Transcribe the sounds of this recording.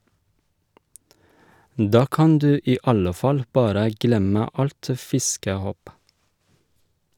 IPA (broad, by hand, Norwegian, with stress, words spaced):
ˈdɑː ˈkɑn ˈdʉː ˈiː ˈɑlə ˈfɑl ˈbɑːɾə ˈɡlɛmə ˈɑlt ə ˈfɪskəˌhoːp